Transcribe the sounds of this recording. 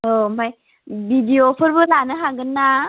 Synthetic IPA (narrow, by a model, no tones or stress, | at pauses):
ɔmaj | bidiopʰɯɾbɯlanɯɦaɡɯnːa